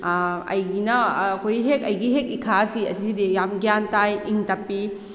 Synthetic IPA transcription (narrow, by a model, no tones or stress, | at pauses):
ɐ̰jɡinɐːkʰojɦekɐjɡiɦekikʰasiɐ̰sisidijamɡjantajiŋtapːi